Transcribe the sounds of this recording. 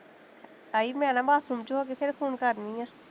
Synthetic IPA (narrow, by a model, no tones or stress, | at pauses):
t̪aːiːbmɛ̃ːnaːmaːsuːmd͡ʒuɦoːkepʰɪɾkʰuːnkəɾnĩaː